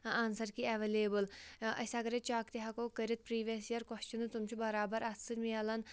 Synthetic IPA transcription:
ansɐɾkiɐʋeleːbɨlɐ̰sʲɐɡɐɾet͡ʃaːkt̪iɦɐkoːkəɾʲit̪̚pɾiːʋʲesijɐɾkɔst͡ʃinɨt̪umt͡ʃʰubɐɾaːbɐɾʔɐt̪sɨɾmiɐlɐn

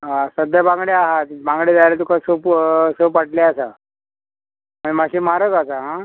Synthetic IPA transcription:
ɦasəd̪jəbãŋɡɭeaɦat̪bãŋɡɽiːd͡zalat̪ukasəpsəpəʈleasa | məɳmaɕiːmaɾəkasaɦã

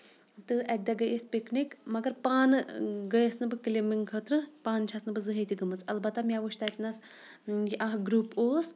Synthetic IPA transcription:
t̪ɨʔɐd̪aɡəjesʲpiknikmɐɡɐɾpaːnɡəjesnɨbɨkilimiŋkʰət̪ɾɨpaːnt͡ʃʰasnɨbɨzɨɦiːt̪ʰiɡɐmɨt͡sɐlbɐt̪ːamjaʋuʃt̪at̪nɐs | jiʔaɦɡɾuːpoːs

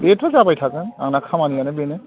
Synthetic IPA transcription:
betʰɔzapajtʰakɯna̰ŋnakʰamanikanɛbenɛ

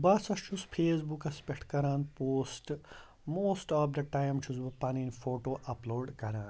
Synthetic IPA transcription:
bɐːsɐst͡ʃʰuspʰeːs̬bukɐspeʈʰkɐɾaːnpoːsʈ | moːsʈɔːfd̪ɐʈaːjmt͡ʃʰusbupɐniːnfoːʈoːʔɐploːɖkɐɾaːn

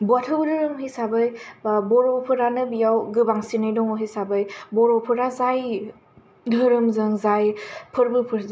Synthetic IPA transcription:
buatʰɯbdɯɾɯmɦisabɯjbɔɾɔpʰɯɾanɯbijawɡɯbaŋsinɯjdɔŋɔɦisabɯjbɔɾɔpʰɯɾazaj | dʱɯɾɯmzɯŋzajpʰɯɾbɯpʰɯɾz

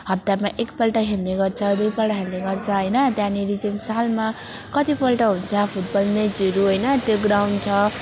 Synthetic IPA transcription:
ɦʌt̪ːjamaʔekpʌlʈʌɦelneɡʌrt͡sʰʌd̪ujpʌlʈʌɦelneɡʌrt͡sʰʌɦʌjnʌt̪janiɾid͡zensalma | kʌt̪ipʌlʈʌɦunt͡sʰʌpʰuʈ̚bʌlned͡ziɾuɦʌjnʌt̪joɡɾawɳt͡sʰʌ

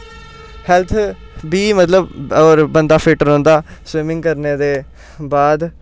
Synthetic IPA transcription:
hɛlt̪ʰ | biːmət̪ləbɔːɾbənd̪aːpʰɪːʈəɾɔ̃ːnd̪aːswɪmɪŋɡkəɾneːd̪eː | baːd̪

